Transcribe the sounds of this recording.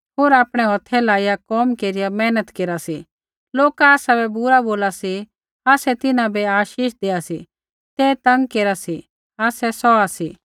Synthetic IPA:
ɦoːɾaːpɽ̃ɛɦɔt̪ʰɛlaːijakɔːmkeːɾijamɛːnət̪keːɾasi | loːkaaːsabɛbʊɾaboːlasi | aːsɛt̪ɪnãbɛaːʃiːʃd̪eːasi | t̪ɛːt̪ɐ̃ŋɡkeːɾasi | aːsɛsɔasiː

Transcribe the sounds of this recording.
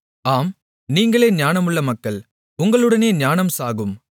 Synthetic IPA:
aːm | niːŋɡɐɭeːɲaːnɐmɯɭːɐmɐkːɐɭ | ʊŋɡɐɭɯɽɐneːɲaːnɐmsaːɣɯm

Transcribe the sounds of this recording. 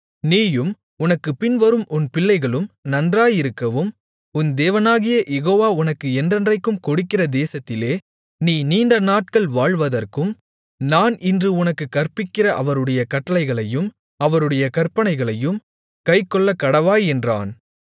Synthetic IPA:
niːjɯm | ʊnɐkːɯpɪnʋɐɾɯmʔʊnpɪɭːɐɪɣɐɭɯmnɐndraːjɪɾɯkːɐʋɯm | ʊnd̪eːʋɐnaːɣɪjɐjɛɣoːʋaːʊnɐkːɯɛndrɛndrɐɪkːɯmkɔɽɪkːɪrɐd̪eːsɐt̪ːɪleː | niːniːnɖɐnaːʈ̚kɐɭʋaːɻʋɐðɐrkɯm | naːnɪndrɯʊnɐkːɯkːɐrpɪkːɪrɐʔɐʋɐɾɯɽɐjɐkɐʈːɐlɐɪɣɐɭɐjɯm | ɐʋɐɾɯɽɐjɐkɐrpːɐnɐɪɣɐɭɐjɯm | kɐɪkːɔɭːɐkːɐɽɐʋaːjɛndra̰ːn

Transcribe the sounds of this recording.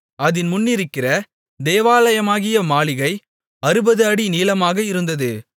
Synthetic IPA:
ɐðɪnmʊnːɪɾɯkːɪrɐ | d̪eːʋaːlɐjɐmaːɣɪjɐmaːɭɪɣɐɪ | ɐɾɯbɐðɯɐɽiniːlɐmaːɣɐɪɾɯnd̪ɐðɯ

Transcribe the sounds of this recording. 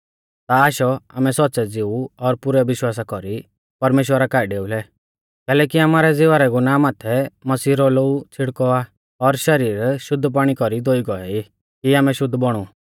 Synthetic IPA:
t̪aːʃɔaːmɛsɔt̪ːsɛd͡zɪuɔɾpʊɾɛʋɪʃwaːsakɔɾi | pɐɾmeːʃwəɾakaːɪɖeːulɛ | kɛːlɛːkiamaːɾɛd͡zɪʋaːɾɛɡunaːmaːt̪ʰɛmɐsiːɾɔlout͡sʰɪɽkɔa | ɔɾʃɐɾiːɾʃʊd̪ʱːp̬aːɽ̃ikɔɾid̪oːiɡɔɛi | kiaːmɛʃʊd̪ʱːbɔɽ̃u

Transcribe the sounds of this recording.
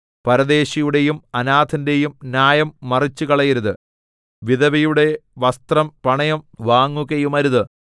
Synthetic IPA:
pɐɾɐðe̞ːɕɐjuɽe̞jumɐnaːt̪ʰɐnde̞jumnjaːjɐmːɐrit͡ɕːukɐɭɐjɐɾuðɨ | ʋiðɐʋijuɽe̞ʋɐst̪rɐmpɐɳɐjɐmʋaːŋːuɣɐjumɐɾuðɨ

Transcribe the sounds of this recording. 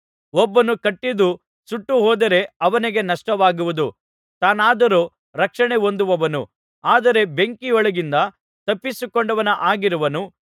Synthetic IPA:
ɔbːɐnukɐʈːid̪u | suʈːuɦɔːd̪ɐɾe̞ɐʋɐniɡe̞nɐʂʈɐʋaːɡuʋud̪u | t̪aːnaːd̪ɐɾo | ɾɐkʂɐɳeo̞nd̪uʋɐʋɐnṵ | aːd̪ɐɾe̞be̞ŋkioɭɐɡind̪ɐ | t̪ɐpːisukoɳɖɐʋɐnɐʔaːɡiɾuʋɐnu

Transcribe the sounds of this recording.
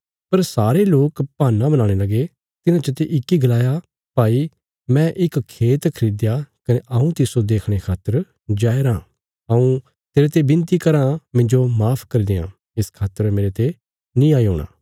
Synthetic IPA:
pɐɾsaːɾeloːkpaːnːãbɐnãːɽ̃elɐɡe | t̪ɪnãt͡ʃət̪eʔɪkːiɡɐlaːja | paːi | mɛ̃ʔɪkkʰːeːt̪kʰɐɾiːd̪jakɐneʔaũt̪ɪsod̪eːkʰɽ̃ekʰaːt̪əɾ | d͡ʒaːeɾãː | ɐũ | t̪eːɾet̪ebɪ̃nt̪ikɐɾãmɪ̃ɲd͡ʒomaːpʰkɐɾid̪ejã̰ː | ɪskʰaːt̪əɾmeːɾet̪e | nĩaːiɦo̰ːɽ̃a̰ː

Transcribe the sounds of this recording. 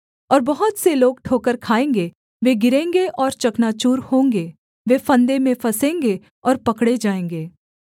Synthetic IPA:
ɔːɾbɐɦʊt̪seloːɡ̚ʈʰoːkəɾkʰaːẽːŋɡe | ʋeɡɪɾẽːŋɡeʔɔːɾt͡ʃɐknaːt͡ʃuːɾhõːŋɡe | ʋeːfɐ̃nd̪emẽfʰɐsẽːŋɡe | ɔːɾpɐkɽed͡ʒaːẽːŋ̆ɡeː

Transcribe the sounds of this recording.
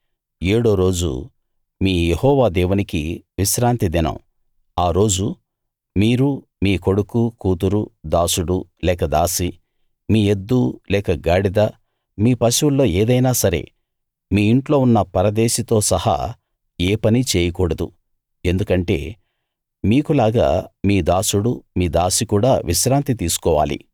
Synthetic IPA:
eːɽo̞ːɾo̞ːd͡ʒṵ | miːjehɔːʋaːd̪ɛːʋunikḭʋiʃɾaːnt̪id̪inɐ̰m | aːɾo̞ːd͡ʒu | miːɾu | miːko̞ɽukukuːt̪uɾud̪aːsuɽulɛːkɐd̪aːsi | miːe̞d̪ːulɛːkɐɡaːɽid̪a | miːpɐsiwulːo̞ːeːd̪ɐjnaːsɐɾe̞̰ː | miːiɳʈlo̞ːunːɐpɐɾɐd̪eːʃɐt̪o̞ːsɐhɐ̰ | eːpɐnit͡ʃeːjɐkɔːɽɐd̪ṵ | e̞nd̪ukɐɳʈe̞̰ː | miːkulaːɡa̰ːmiːd̪aːsuɽumiːd̪aːsikuːɽaːʋʔiʃɾaːnt̪it̪iːsu̥kɔːʋa̰ːlḭ

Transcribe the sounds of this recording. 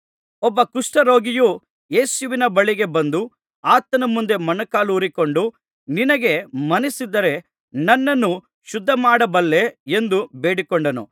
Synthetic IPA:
ɔbːɐkuʂʈɐɾo̞ːɡiju | je̞ːsuʋinɐbɐɭiɡe̞bɐnd̪u | aːt̪ːɐnɐmːund̪e̞mɐnɐkaːluːɾiko̞ɳɖu | ninɐɡe̞mɐnisid̪ːɐɾe̞ | nɐnːɐnːu | ʃud̪ʱːɐmaːɽɐbɐlːe̞end̪ubeːɽikoɳɖɐnṵ

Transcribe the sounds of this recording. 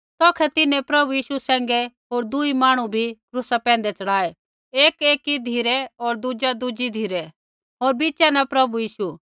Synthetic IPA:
t̪ɔːkʰɛt̪ɪnɛ̃pɾɐbujiːʃusɛ̃ːŋ̆ɡɛɦoːɾd̪ʊimaːɽ̃ubʱikɾʊsapɛ̃ːnd̪ɛt͡ʃɐɽaːe | eːkeːkid̪ʱiːɾɛɔːɾd̪ud͡ʒad̪ud͡ʒid̪ʱiːɾɛ | ɦoːɾbit͡ʃanɛpɾɐbujiːʃu

